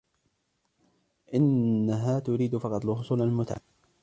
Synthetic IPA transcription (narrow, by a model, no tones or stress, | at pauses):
ʔɪnːaɦaːt̪ʊɾiːd̪fɑqɑt̪ˤlɪxʊsˤuːlalmʊt̪a̰ː